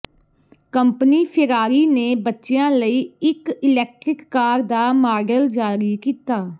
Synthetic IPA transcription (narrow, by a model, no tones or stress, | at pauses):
kəmpniːpʰɪɾaːɾiːneːbətːʃejãːləiːɪkɪlɛːk̚ʈɾɪkːaːɾd̪aːmaːɾɖəld͡ʒaːɾiːkiːt̪aː